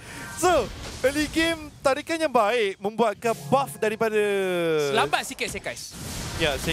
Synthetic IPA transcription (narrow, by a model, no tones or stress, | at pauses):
soəliɡemt̪aɾikanjaŋbaɪʔmə̃mbuat̪̚kanbafdaɾipadaslabat̪̚sikɪt̪̚sekajsjasa